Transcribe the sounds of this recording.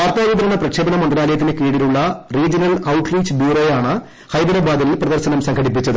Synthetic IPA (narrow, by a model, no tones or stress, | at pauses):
aːrt̪ːaːʋid̪ɐɾɐɳːɐprɐkʂeːbɐnɐmɐnd̪ɾaːlɐjɐt̪̬ːinekiːɽiluɭːɐriːd͡ʑɐnɐlɐwʈriːt͡ɕːɨbjuːɾo̞ːjaːɳɨ | hɐjd̪ɐɾɐbaːd̪ilprɐðɐrɕɐnɐmsɐŋɡʰʱɐɽipːit͡ɕːɐðɨ